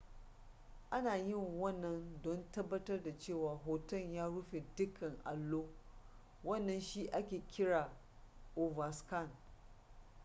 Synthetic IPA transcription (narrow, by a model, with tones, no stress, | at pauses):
ʔa˦naː˨jɪ˦˨ŋwɐ˦˨nːɐ˦ndɔ˦ntɐ˦bːɐ˦tɐ˦rda˨t͡ʃeː˦˨waː˨ɦoː˨tɐ˦˨njaː˦ɽʊ˦ɸe˨dʊ˦kʰɐ˨ŋʔa̰˨lːoː˦ | wɐ˦˨nːɐ˨nʃiː˦ʔa˦kʲeː˨kʲɪ˦ɽaː˨ʔo˨va˨ska˦˨n